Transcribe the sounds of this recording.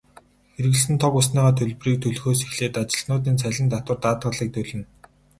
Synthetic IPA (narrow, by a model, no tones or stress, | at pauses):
xeɾɘ̆ɣɘ̆ɮsɘ̆nt̪ʰɔkʊsniːʁaːt̪ʰɵɮpriːk̚t̪ʰɵɮxoːsixɮeːt̪at͡ɕɪ̆ɮnʊːt̪̬iːnt͡sʰæɮʲɪ̆nt̪at̪wə̆rt̪aːt̪ɢə̆ɮiːk̚t̪ʰɵɮɘ̆n